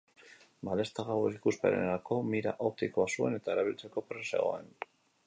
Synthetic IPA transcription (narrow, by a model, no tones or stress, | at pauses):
bale̞st̪aɣaweɾikuspe̞̰neɾako̞miɾa̰ʔokt̪ikoasue̞ne̞t̪aeɾaβilt͡seko̞pɾe̞se̞̰ɣo̞̰en